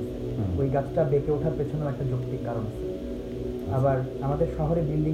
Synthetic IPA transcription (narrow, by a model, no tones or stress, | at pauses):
ojɡat͡ɕʰʈabekeoʈʰaɾpet͡ɕʰonːeoɛk̚ʈad͡ʑokt̪ikkːaɾon | abaɾ | amad̪eɾʃɔɦoɾed̪ilːi